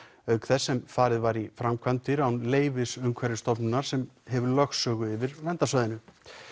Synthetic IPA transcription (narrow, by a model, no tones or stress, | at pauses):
œɥkθɛsːɛmfaːɾɪðvaɾifɾamkʰvant̪ɪɾawnleːjvɪsʏmkʰvaːɾɪst̪ɔpnɪnaɾ̥sɛmɦɛvʏɾlœxsœːɣʏɪvɪɾvɛnt̪asvaːðɪnʏ